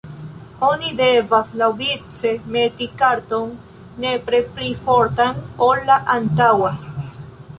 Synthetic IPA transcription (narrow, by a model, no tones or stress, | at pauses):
onid̪evaslawvit͡semet̪ikaɾt̪onː | epɾeplifoɾt̪anolːaʔant̪awa